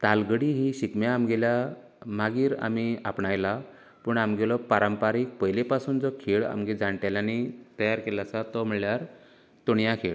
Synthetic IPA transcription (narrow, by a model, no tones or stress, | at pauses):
t̪alɡəɽiːɦiɕikmjaːmɡelja | maɡiːɾa̰mia̰pɳajla | pəɳamɡelɔpaɾəmpaɾiːk̚pəjlepasuːnd͡zɔkʰeɭa̰mɡed͡zaɳʈaljanit̪əjaɾkelasat̪ɔm̤əɭljaɾ | t̪oɳjakʰeɭ